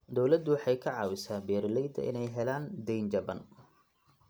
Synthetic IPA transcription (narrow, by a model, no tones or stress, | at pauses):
d̪ɔwlɐd̪ːʊwɑħɑjkʰɐʕɑːwɪsaːbɛːɾɪlɛjd̪ɐ̰ʔɪ̰nɛjɦɛlaːnd̪ɛjnd͡ʒɐbɐn